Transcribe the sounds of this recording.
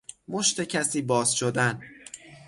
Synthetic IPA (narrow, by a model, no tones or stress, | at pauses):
mo̞ʃt̪e̞cʰæsiːbɒːz̥ʃod̪æn